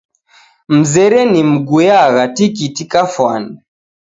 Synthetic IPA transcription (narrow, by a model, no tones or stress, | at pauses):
m̩zɛɾɛnim̩ɡujaɣatikitikafwani